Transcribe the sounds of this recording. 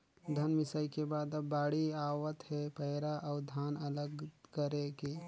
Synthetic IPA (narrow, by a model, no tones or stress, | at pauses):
d̪ʱɐnʋɪsəikebaːd̪ɐbːaːɽiaːwət̪hɛpɛɪɾaʔɔːɾd̪ʱaːnɐləɡkəɾekeː